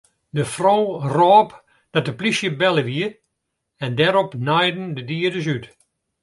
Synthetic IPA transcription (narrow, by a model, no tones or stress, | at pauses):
dəfrowrɔːp | d̥ɔt̚dəplisjəbɛləʋiə | ɛndɛɾɔpnɛjdn̩dədiədəs̬yt